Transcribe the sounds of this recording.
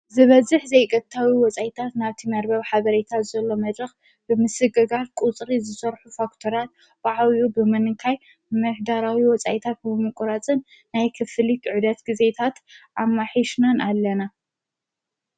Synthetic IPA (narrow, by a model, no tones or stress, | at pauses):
zɨβɐzɨħzɐjkʼɐt̪ʰːawiwɔt͡sʼajit̪ʰat̪naβt̪ʰimɐɾbɐβħaβɐɾet̪ʰat̪zɐlːo̞mɐd̪ɾɐx | bɨmɨsɨɡɐɡatkʼut͡sʼɾizɨsɐɾħufakt̪ʰoɾat̪̚ | b̥aʕawjubɨmɐnɨŋkʰaj | mɨħd̪aɾawiwɔt͡sʼajt̪ʰat̪̚bɨmɨkʼɾat͡sʼɨnː | ajkʰɨfɨlit̪ʕud̪ɐt̪ɡize̞t̪ʰat̪ʔamːaħiʃnanʔalːɐna